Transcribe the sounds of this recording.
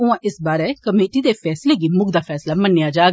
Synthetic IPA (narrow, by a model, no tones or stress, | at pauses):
ʊãʔɪsbaːɾɛkɐmeːʈid̪efɛːsleɡimʊɡd̪afʰɛːslamɐnːijad͡ʒaːɡ